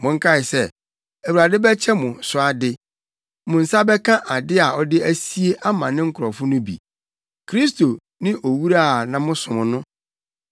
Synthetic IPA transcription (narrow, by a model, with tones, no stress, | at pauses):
mʊ̃˨ŋ̩˦kʰa˦˨ɪ˨sɛ˦ | æ˨wu˨ɾa˨dɪ˦bɛ˦t͡ɕʰɛ˦mʊ̃˨sʊ˨a˨dɪ˦ | mʊ̃˨n̩˨sa˦bɛ˦kʰã˦ʔa˨dɪ˦a˨ɔ˦dɪ˦æ˦si˦e˦ʔa˦mã˨nɪ̃˦ŋ̩˦kʰʊ˨ɾɔ˨fʊ˦nʊ̃˦bḭ˨ | kʰɾi˦sto˨ | nɪ̃˦ʔo˨wu˦ɾa˦˨nã˦mʊ̃˦sʊ̃˨mʊ̃˨nʊ̃˦